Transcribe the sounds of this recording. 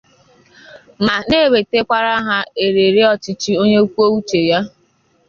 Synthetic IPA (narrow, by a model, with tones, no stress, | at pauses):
ma˨ne˦˨we˨te˦kʷa˦ɾa˦ɦa˦e˨ɾe˨ɾe˦ɔ˦t͡ʃɪ˦t͡ʃi˦o˦ɲe˦u˦kʷo˦u˦t͡ʃe˨ja˦